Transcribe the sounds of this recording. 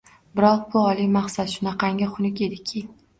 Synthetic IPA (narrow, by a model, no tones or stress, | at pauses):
bɪɾɒq̚bʊɒlˠimaχsat̪ʃʊnaqɑŋʲaχʊnɪkʲe̞d̪ɪkʲʰɪ